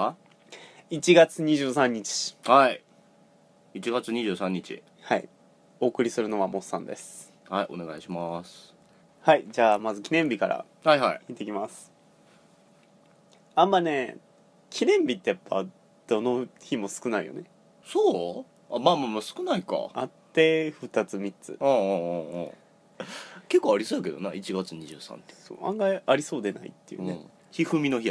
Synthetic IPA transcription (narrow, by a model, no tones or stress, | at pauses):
it͡ɕiɡat͡sɨɲ̟iʑɨːsãɲ̟ːit͡ɕi̥hai | it͡ɕiɡat͡sɨɲ̟iʑɨːsãɲ̟ːit͡ɕḭ | haḭ | o̞ːkɯ̟ɾʲisɨɾɯ̟no̞βamo̞sã̰nd̪e̞̰sɨ̥ | haiʔo̞ne̞ɡaiɕimas | haid͡ʑaːmazɨkʲinẽ̞mbʲikaɾa̰ | haiɦaiit̪ːe̞kʲimasɨ̥ | ãmːane̞ | kʲʰinẽ̞mbʲit̪ːe̞japːa̰ | d̪̥o̞no̞çimo̞sɨ̥kɯ̟naḭjo̞̰ne̞ | soː | amaːmamasɨ̥kɯ̟naika̰at̪ːe̞ɸɯ̟t̪at͡sɨmʲit͡sɨ̰õ̰ː | ke̞kːoaɾʲisoːaked̪o̞̰nait͡ɕiɡat͡sɨɲ̟iʑɨ̰ːsã̰nt̪eso̰ːã̰ŋɡaaɾʲiso̞ːd̪e̞na̰ḭt̪ːe̞jiɯ̰nẽ | çiɸɯ̟mʲino̞çi